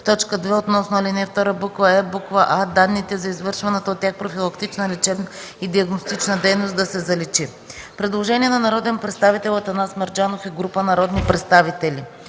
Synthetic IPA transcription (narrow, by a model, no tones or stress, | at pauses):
t̪ɔt͡ʃkəd̪vɛot̪nɔsnʊalʲinɛft̪ɔɾəbukvəɛbukvəʔad̪anːit̪ɛzɐizvɤɾʃvɐnɛt̪əot̪̚ːʲjaxpɾofilˠɐkt̪it͡ʃnəlɛt͡ʃɛbnə | id̪iɐɡnost̪it͡ʃnəd̪ɛjnosd̪ɐsɛzɐlɛt͡ʃi | pɾɛd̪lˠoʒɛniɛnɐnɐɾɔd̪ɛnpɾɛt̪st̪avit̪ɛlˠɐt̪ɐnasmɛɾd͡ʒanofɛɡɾupənɐɾɔd̪nipɾɛt̪st̪avit̪ɛli